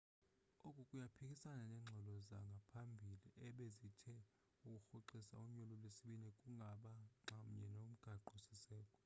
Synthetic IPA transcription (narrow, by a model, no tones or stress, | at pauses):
okʼukʼujapʰikʼisananɛŋ͡ǁʱɛlɔzaŋɡʱapʰambʱiliʔɛɓezitʰɛ | ukʼuxuǃisa̰uɲɔlɔlwesiɓinɛkʼuŋɡʱaɓaŋ͡ǁʱam̩ɲɛnom̩ɡ̥ʱaǃɔsisɛːkʼɔ